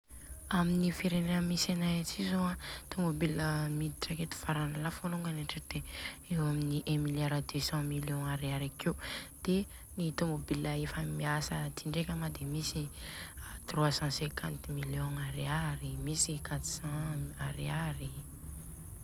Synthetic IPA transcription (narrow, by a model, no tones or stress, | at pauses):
aminifeɾeneəmisanajat͡sizoãt̪omobiləmid̪iʈ͡ʂaket̪u̥faɾanalafuluŋɡanaʈ͡ʂəd̪̥eewaminiʔɛ̃miljaɾad̪øsɑ̃miljɔ̃aɾiaɾakewd̪̥enit̪omobilaefəmiasət̪iɳɖ͡ʐekʲamad̪emisi | t̪ruasɑ̃sɛ̃kʰãnt̪miljɔ̃aɾiaɾimisikat̪u̥sɑ̃aɾiaɾi